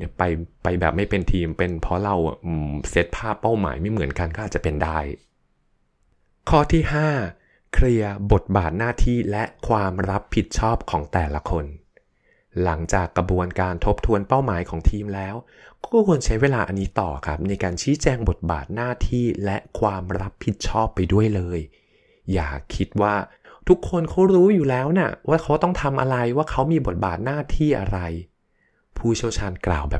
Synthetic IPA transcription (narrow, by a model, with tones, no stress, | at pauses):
pa˧jpa˧jbɛ̰ː˨˩p̚ma˥˩jpe˧nt̪ʰiː˧mpe˧npʰɔ˦˥ɾa˧wʔse˦˥t̪̚pʰaː˥˩pːa˥˩wma̰ː˩˦jma˥˩jmɯ˩˦ənka˧nkɔː˥ʔaː˨˩t̚t͡ɕa˨˩pe˧ndaː˥˩j | kʰɔː˥˩t̪ʰiː˥˩haː˥˩ | kʰɾi˧ɐbo˨˩t̪̚baː˨˩t̪̚naː˥˩t̪ʰiː˥˩lɛ˦˥ʔkʰwaː˧mɾa˦˥pʰːi˨˩t̪̚t͡ɕʰɔː˥˩p̚kʰɔː˩˦ŋt̪ɛː˨˩la˧kʰo˧n | la˩˦ŋt͡ɕaː˨˩kːɾa˧bu˧ənkaː˧nt̪ʰo˦˥p̚t̪ʰu˧ənpa˥˩wmaː˩˦jkʰɔː˩˦ŋt̪ʰiː˧mlɛː˦˥w | kɔː˥˩kʰu˧ənt͡ɕʰa˦˥jweː˧laː˧ʔa˧nːiː˦˥t̪ɔ̰ː˨˩kʰa˦˥p̚na˧jkaː˧nt͡ɕʰiː˦˥t͡ɕɛː˧ŋbo˨˩t̪̚ba̰ː˨˩t̪̚naː˥˩t̪ʰiː˥˩lɛ˦˥ʔkʰwaː˧mɾa˦˥pʰːi˨˩t̪̚t͡ɕʰɔː˥˩pːa˧jdu˥˩əjlɤː˧jː | a̰ː˨˩kʰːi˦˥t̪̚waː˥˩ | t̪ʰu˦˥kʰːo˧nkʰa˦˥wɾuː˦˥juː˨˩lɛː˦˥wna˦˥˩waː˥˩kʰa˦˥wt̪ɔ˥˩ŋt̪ʰa˧mʔa̰˧ɾa˧jwaː˥˩kʰa˦˥wmiː˧bo˨˩t̪̚baː˨˩t̪̚naː˥˩t̪ʰiː˥˩ʔa̰˧ɾa˧j | pʰuː˥˩t͡ɕʰi˥˩əwt͡ɕʰaː˧nkla̰ː˨˩wbɛː˨˩